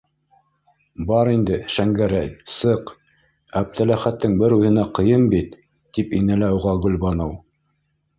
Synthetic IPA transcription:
bɑɾind̪ɘʃæŋɡæɾæjsɤq | æp̚t̪ʰælæχæt̪ːɘŋbɘɾʉðɘ̆næqɤ̆jɤmbit̪ː | ipinælæuʁɑɡɵ̆lbɑnɤw

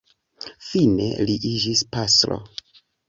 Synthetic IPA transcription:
fine̞̰liʔid͡ʒispaslo̰

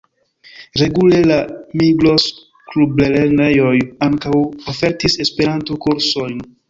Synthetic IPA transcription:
ɾe̞ɡule̞lamiɡlo̞s | klubleleɾnejo̞jaŋkawofe̞ɾtise̞spe̞ɾantokuɾso̞jn

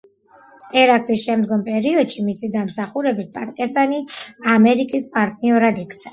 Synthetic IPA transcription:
t̪ʼɛɾak̚ʰt̪ʼisʃɛmd̪ɡɔmpʼɛɾiɔd̪ʃimisid̪amsaχuɾɛbipʼaɾkʼɛst̪ʼaniamɛɾikʼispʼaɾt̪ʼniɔɾad̪ikʰt̪sʰɛ̥

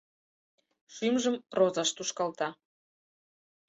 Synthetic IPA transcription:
ʃymʒəmrozɑʃt̪uʃkɑlt̪ɑ

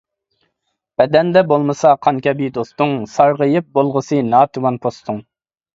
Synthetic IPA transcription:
b̥ɛd̪ɛnd̪ɛbolˠmɨsɑqʰɑŋkʲʰɛbid̪ost̪ʊŋsɑɾʁəjɨp̚bolˠʁəsɨnɑːt̪ʰɨwɑnpʰost̪ʰʊŋ

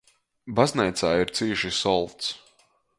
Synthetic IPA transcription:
baznʲɛjt̪saːiɾt̪siːʃisɔlˠt̪s

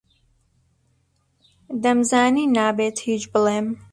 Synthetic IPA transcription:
d̪ɐmzaːniːnaːbeːt̪hiːt͡ʃbɨleːm

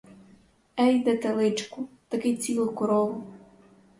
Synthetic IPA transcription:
ɛjd̪ɛt̪elˠɪt͡ʃkʊ | t̪ɐkɪt͡sʲilˠkɔɾɔlˠʊ

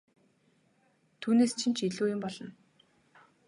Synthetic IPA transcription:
t̪ʰuːneːst͡ɕʰint͡ɕʰiɮuːjʊmpɔɮɞ̆n

